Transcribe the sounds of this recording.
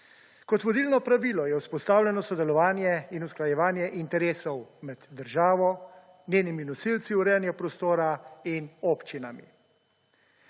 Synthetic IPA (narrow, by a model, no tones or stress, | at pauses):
kɔt̪ʋɔd̪iːlnɔpɾaʋiːlɔjɛwspɔst̪aːwlʲɛnɔsɔd̪ɛlɔʋaːnjɛinusklajɛʋaːnjɛʔint̪ɛɾeːsɔwmɛd̪ːəɾʒaːʋɔ | nʲjeːniminɔsilt̪siuɾɛːnjɛpɾɔst̪oːɾainoːpt͡ʃinamḭ